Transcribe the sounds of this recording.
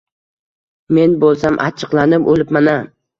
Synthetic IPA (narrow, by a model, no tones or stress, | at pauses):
me̞nbolˠsamʔa̰t͡ʃʰɨqlˠanɪpolɪpmana